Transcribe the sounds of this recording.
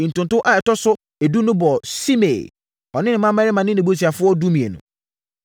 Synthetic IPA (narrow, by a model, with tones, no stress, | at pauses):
n̩˨tʊ̃˨n˨tʊ̃˦ʔa˨ɛ˨tɔ˦sʊ˦ | e˨du˦nʊ̃˦bɔ˨si˦me˨ | ɔ˨nɪ̃˦nɪ̃˨˦mã˦mɛ˦ɾɪ˦mã˨nɪ̃˦nɪ̃˨bu˦t̬ʰi˨a˨fʊ˦ɔ˦du˦mĩ˨ḛ˨nṵ̃˨